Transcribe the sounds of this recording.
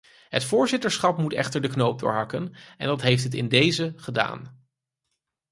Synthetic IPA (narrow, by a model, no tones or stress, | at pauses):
ɦətfʊːɹzɪtəɹsχɑpmutɛ̰χtəɹdəknowp̚dʊ̰ːɹɦɑkənɛ̰ndɑtɦejftɦətɪ̰ndejzəχəda̰ːn